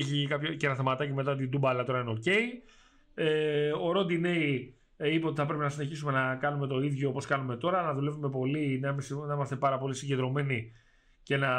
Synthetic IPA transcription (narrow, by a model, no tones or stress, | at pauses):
eçikɐpçcenɐθɐmɐt̪ɐcime̞t̪ɐt̪̬ind̪ubɐlɐt̪o̞ɾɐineo̞ce̞i | eo̞ɾo̞d̪ine̞i | ipeo̞t̪iθɐp̬ɾe̞pinɐsine̞çisume̞nɐkɐnume̞t̪o̞iðʝo̞opo̞skɐnume̞t̪o̞ɾɐnɐðulevume̞po̞linɐmsnɐimɐst̪e̞pɐɾɐpo̞lisiɟed̪ɾo̞me̞ni | ce̞nɐ